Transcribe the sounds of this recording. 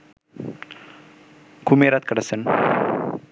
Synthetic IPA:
kumeɾat̪̚kɐɽəsən

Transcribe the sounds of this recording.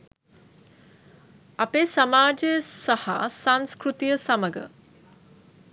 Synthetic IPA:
apesamaːd͡ʒejəsaha̰saŋskɾut̪ijəsaməɡə̰

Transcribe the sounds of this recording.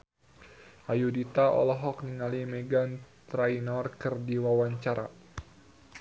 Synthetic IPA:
ʔajudit̪aʔɔ̰lɔɦɔkniŋalimɛɡant̪ɾainɔrkɨrdiwawaɲt͡ʃaɾa̰

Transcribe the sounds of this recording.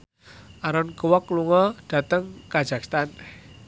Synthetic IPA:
ʔaɾɔnkəwɔkluŋɔd̥a̤t̪əŋkḁʒ̥a̤kst̪an

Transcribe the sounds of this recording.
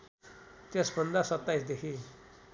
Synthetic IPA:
t̪esbʱʌnd̪asʌt̪ːaisd̪ekʰi

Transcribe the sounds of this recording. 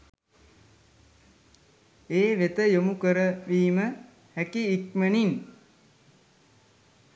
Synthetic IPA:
eːʋet̪əjomukəɾəʋiːmə | hækiːkmənin

